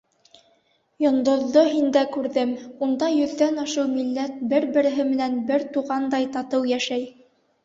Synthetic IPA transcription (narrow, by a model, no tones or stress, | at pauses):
jŏnd̪ŏðːoɦind̪ækʉɾðɘmund̪ɑjɵ̆ðːænɑʃɤwmilːæt̪̚bɘɾbɘ̆ɾɘ̆ɦɘmɘ̆nænbɘɾt̪uʁɑnd̪ɑjt̪ɑt̪ɤwjæʃæj